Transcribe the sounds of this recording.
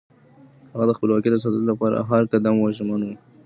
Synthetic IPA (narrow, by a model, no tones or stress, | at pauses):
haɣad̪əxpəlwɑkid̪as̬ad̪d̪lapɑɾa̰ɦaɾkad̪amwɑʒmanwu